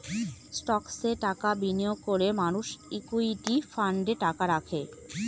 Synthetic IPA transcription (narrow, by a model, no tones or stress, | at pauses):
sʈɔkseʈakabinijoɡ̚koɾemanuʃikuiʈifaɳɖeʈakaɾakʰe